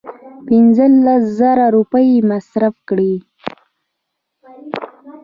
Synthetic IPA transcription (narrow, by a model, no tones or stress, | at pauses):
pɪnzəlaszaɾaɾupəjmasɾafkɽi